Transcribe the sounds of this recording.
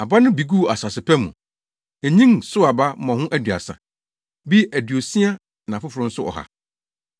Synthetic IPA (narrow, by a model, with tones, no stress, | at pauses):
a˨ba˦nʊ̃˦bi˨ɡu˦˨a˨sa˨sɪ˨pʰæ˦mũ˨ | æ˨ɲĩ˦ŋsʊ˦a˨ba˦mɔ̃˨hʊ̃˦ʔæ˦dɥa̰˨sã̰˨ | bi˦æ˨dɥo˨sĩ˦a˦ | nã˨fʊ˦fʊ˨ɾʊ̃˦n̩˦sʊ˦ɔ̰˨ha̰˨